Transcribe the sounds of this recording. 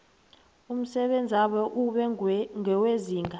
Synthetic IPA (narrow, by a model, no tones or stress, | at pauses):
um̩sɛɓend͡zʱaɓɔʔuɓɛŋʱɛweziːŋɡa